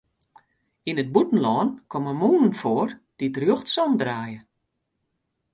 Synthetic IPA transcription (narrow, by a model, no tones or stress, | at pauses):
inət̚butən̩lɔːnkʰɔməmuːnənfoːərd̥idrjoxtsɔndraːjə